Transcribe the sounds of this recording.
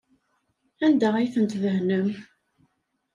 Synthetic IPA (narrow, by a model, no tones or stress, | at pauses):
ænd̪æʁæjθənt̪ðəɦnəm